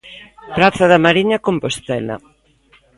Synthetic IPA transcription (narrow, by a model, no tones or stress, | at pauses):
pɾaθɐðɐmaɾiɲɐkompost̪ɛlɐ̰